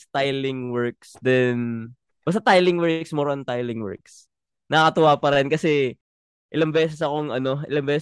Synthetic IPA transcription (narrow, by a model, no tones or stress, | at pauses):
st̪ajlɪŋwɛɹk̚sd̪ɛn | mɐs̬ɐt̪ajlɪŋwɛɹksmɛɾont̪ajlɪŋwɛ̰ɹks | nɐɐkɐt̪ʊwaːpɐɾɛnkɐsɛ | ʔɪlɐŋbɛːs̬ɛs̬ɐko̞ŋʔɐno̞ʔɪlɐŋbɛːs